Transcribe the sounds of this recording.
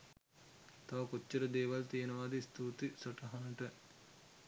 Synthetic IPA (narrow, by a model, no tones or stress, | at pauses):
t̪aʋɐkot͡ʃːɐɾəd̪eːʋalt̪ijenəʋaːd̪est̪uːt̪isoʈɐɦanɐʈə